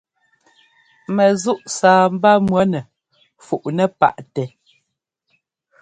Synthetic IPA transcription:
mɛ˨zu˦ʔsaː˨m̩˦ba˦mwɔ˦nɛ˨ | fu˨ʔnɛ˦˨pa̰˦˨ʔtɛ˨

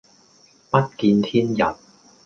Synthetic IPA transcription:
pɐ˥t̚kiː˧nt̪ʰiː˥njɐ˨˩n̚

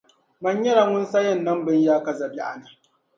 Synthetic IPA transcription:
mɐ˦ɲjɐ˦ɽa˨ŋʷʊ˦nsa˦jɐ˦˨nːɐ˦mbɪ˦ɲjaː˦kɐ˨zɐ˨bi˦ʔa̰˨na˨

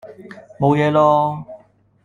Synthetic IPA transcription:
mo˨˧wjɛː˨˧lɔː˥

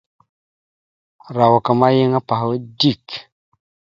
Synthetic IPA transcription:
ɾa˨wa˨kə˨ma˦je˦ŋa˦pa˨hwə˦di˦˨k

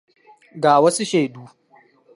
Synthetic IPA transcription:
ɡaː˨wɐ˦su˦ʃe˨duː˦

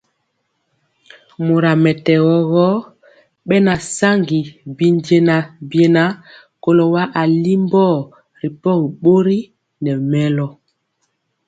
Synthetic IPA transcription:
mo˨ɾa˨mɛ˨tɛ˨ɣɔ˨ɣɔ˦ | ɓɛ˦na˨sa˦ŋɡi˨bi˨nde˦na˨bje˨na˦ | ko˨lo˨wa˦ʔa˨li˦mbɔ˦˨ | ɾi˨pɔ˦ɣɓo˦ɾi˦ | nɛ˨mɛ˦lɔ˨

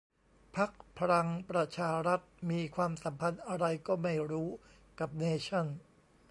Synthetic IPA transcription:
pʰa˦˥k̚pʰa˧ɾa˧ŋpɾa˧t͡ɕʰaː˧ɾa˦˥t̪̚miː˧kʰwaː˧msa˩˦mpʰa˧nʔa˧ɾa˧jkɔː˥˩ma˥˩jɾuː˦˥ | ka˨˩p̚neː˧t͡ɕʰa˥˩n

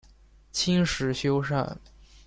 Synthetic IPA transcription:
t͡ɕʰi˥ŋʂɻ̩˧˥ɕjo˥ʊʂa̰˥˩n

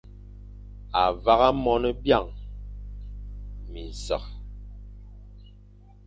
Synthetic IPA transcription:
a˨va˦ɣa˦mɔ˦nə˦bja˦˨ŋ | mi˨n˨sə˨k̚

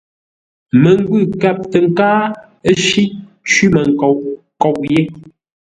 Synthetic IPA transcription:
mə˨ŋ˦ɡwʉ˦˨kɛ˨p̚tə˨ŋ̩˦˨kaː˦ | ʃi˦ | t͡ʃwi˦mə˨ŋ˨kɔ˨ʔ | kɔ˨ʔje˦

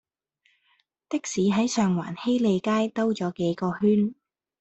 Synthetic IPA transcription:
t̪ɪ˥k̚siː˨˥ɦɐ˨˥jsœː˨ŋwa̰ː˨˩nhe˥jle˨˧jkaː˥jt̪ɐ˥wt͡sɔː˨˥ke˨˥jkɔː˧hyː˥n

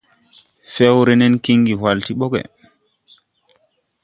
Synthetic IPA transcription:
fɛ˦wɾɛ˦nɛ˦nki˦ŋɡi˨wa˨lti˦ɓɔ˦ɡɛ̰˨

